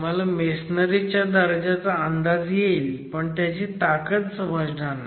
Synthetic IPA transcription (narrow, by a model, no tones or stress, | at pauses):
m̤alamesnəɾit͡ɕjad̪əɾd͡ʑat͡saənd̪ad͡zjelpəɳt̪jat͡ɕiːt̪akət̪səməd͡znanːa